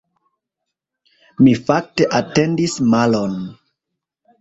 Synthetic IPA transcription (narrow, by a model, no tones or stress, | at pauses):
mifak̚te̞ʔate̞ndismalo̞n